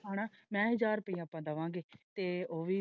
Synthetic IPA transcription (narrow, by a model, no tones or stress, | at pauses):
aːɽ̃aːmɛ̃ːɦəd͡ʒaːɾpəĩːaːpːãːd̪əʋãːŋɡeːt̪eːoːʋiː